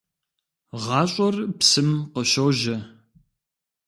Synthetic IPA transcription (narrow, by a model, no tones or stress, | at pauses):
ʁɑːɕʷʼɔrpsɨmqəʃowʒɐ